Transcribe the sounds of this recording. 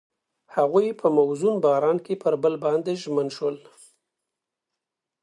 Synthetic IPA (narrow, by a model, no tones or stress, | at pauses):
haɣujpʰəmawzunbɑɾɑnkepəɾbəlbɑnd̪eʒmənʃwəl